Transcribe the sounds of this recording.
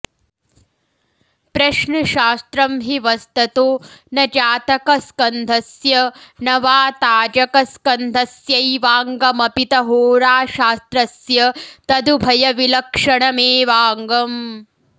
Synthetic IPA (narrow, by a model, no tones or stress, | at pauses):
pɾɐʃɳɐʃaːst̪ɾɐmɦiʋɐst̪ɐt̪oːnɐd͡ʒaːt̪ɐkɐskɐnd̪ʱɐsjɐnɐʋaːt̪aːd͡ʒɐkɐskɐnd̪ʱɐsjɐjʋaːŋɡɐmɐpit̪ɐɦoːɾaːʃaːst̪ɾɐsjɐt̪ɐd̪ubʱɐjɐʋilɐkʂɐɳɐmeːʋaːŋɡɐm